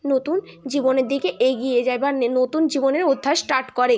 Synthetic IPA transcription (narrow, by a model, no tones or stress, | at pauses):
not̪un | d͡ʑiboneɾd̪ikeʔeɡijed͡ʑaebanot̪und͡ʑiboneɾod̪ʱːaesʈaɾʈkɔɾe